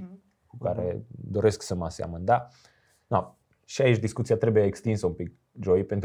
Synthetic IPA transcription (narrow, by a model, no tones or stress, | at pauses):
kukaɾe̞̰d̪o̞ɾe̞sksəmasea̰mənd̪a | na | ʃiait͡ʃd̪iskut̪sijat̪ɾe̞bujeːkst̪insəumpik̚ | ʒo̞jpent̪